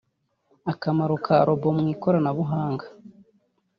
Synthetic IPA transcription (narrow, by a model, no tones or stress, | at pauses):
akamaɾukʰaɾobomŋiːkoɾanaβuɦaːŋɡḁ